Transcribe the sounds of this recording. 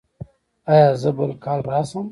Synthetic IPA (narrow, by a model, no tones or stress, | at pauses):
ajɑzəbəlkɑlɾɑsəm